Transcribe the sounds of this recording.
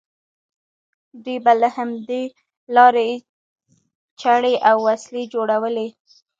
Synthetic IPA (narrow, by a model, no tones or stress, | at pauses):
d̪ujbaləhamd̪e | lɑɾe | t͡ʃaɽeʔawːasled͡ʒoɽawəle